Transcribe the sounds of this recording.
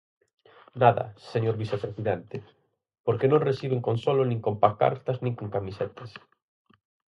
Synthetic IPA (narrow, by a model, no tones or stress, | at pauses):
naðɐ̰seɲoɾβisepɾesiðent̪e | poɾkenõnresiβ̞eŋkonsolonĩŋkompaka̰ɾt̪aznĩŋkoŋkamiset̪as